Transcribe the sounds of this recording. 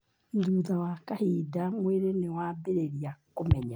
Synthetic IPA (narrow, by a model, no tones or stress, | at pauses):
iɾuðawakahidamweɾenewaːbeɾeɾijakomɛɲa